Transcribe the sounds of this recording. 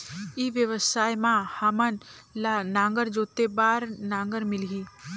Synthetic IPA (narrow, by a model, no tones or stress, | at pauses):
iʋjəʋəsaːjmãhɐmən | lanãːŋɡəɾd͡ʒoːt̪ebaːɾnãːŋɡəɾmɪlɦiː